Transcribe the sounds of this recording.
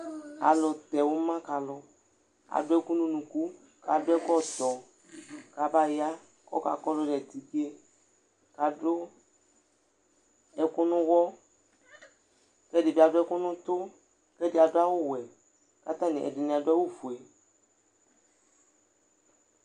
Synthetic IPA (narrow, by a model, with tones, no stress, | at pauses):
a̰˨lʊ˨t̪ɛ˨wo˦mã˦ka˨lʊ˦ | a̰˨dʊ˦ɛ˦ku˦nũ˦nũ˨ku˦ | ka˨dʊ˦ɛ˦kɔ˦t̪ɔ˨ | ka˨ba˦ja˦ | kɔ̰˦ka̰˨kɔ˦lʊ˦ɖɛ˨t̪i˨ke˦ | ka˨ɖo˦ | ɛ˨kʊ˦nʊ̃˦wɔ˦ | kɛ˦dɪ˨bi˦a˨dʊ˦ɛ˦kʊ˦nʊ̃˦t̪ʊ˦ | kɛ˦dɪ˨a˨dʊ˦a˦wo˦wɛ˨ | ka˦t̪a˦nḭ̃˨ʔɛ̰˨dɪ˨nĩ˨a˨dʊ˦a˦wo˦fu˨ɛ˨